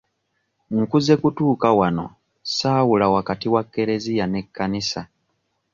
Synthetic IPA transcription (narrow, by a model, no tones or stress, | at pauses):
ŋ̩kuze̞kutuːkawano̞̰ | saːwulawakatiwakːe̞ɾe̞zijane̞kːanisa